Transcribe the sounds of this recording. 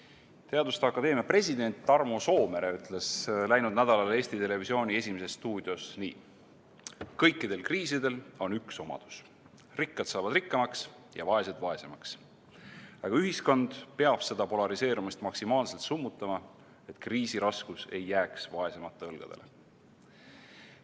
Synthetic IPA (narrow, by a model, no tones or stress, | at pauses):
t̪eɑd̪ust̪eɑkːˑɑd̪e̞ːmjɑpre̞sʲid̪e̞nʲt̪ːɑrmo̞so̞ːme̞ɾeyt̪ˑle̞slæjnud̪næd̪ɑlɑle̞ːst̪it̪e̞le̞visio̞ːnʲie̞sʲimese̞sːt̪uːd̪̥io̞snḭː | kɤjkːˑid̪e̞lkriːsid̪e̞lo̞nykso̞mɑ̰d̪̥u̥s | rikːɑt̪sɑːvɑd̪rikːɑmɑks | jɑ̰vɑe̞sed̪̥vɑe̞se̞mɑks | ɑɡ̥ɑyɦisko̞nd̪̥peɑb̥se̞d̪̥ɑpo̞lɑɾise̞ːɾumist̪mɑksimɑːlse̞lt̪sumːut̪ˑːɑmɑ | e̞t̪ˑkriːsiɾɑskuse̞jːæːksvɑe̞se̞mɑt̪ːˑeɤlɡ̥ɑd̪̥e̞̰le